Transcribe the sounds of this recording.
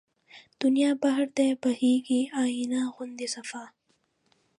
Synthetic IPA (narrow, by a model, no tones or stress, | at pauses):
d̪̥unjaːbɐɦɾd̪eːbɐhiːkiaːinaːɣʊnd̪isɐfaː